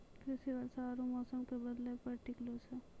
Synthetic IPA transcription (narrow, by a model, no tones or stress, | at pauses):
kɾɪsiʋɐɾsaːɾumɔːsəmkebɐd̪lepɐɾʈɪklose